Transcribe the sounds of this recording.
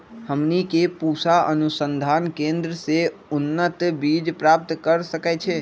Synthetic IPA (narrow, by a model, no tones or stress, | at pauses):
həmnikepusaənusənd̪ʱankẽnd̪ɾəse | unːət̪bid͡ʒpɾap̚t̪kəɾsəkɛt͡ʃʰɛ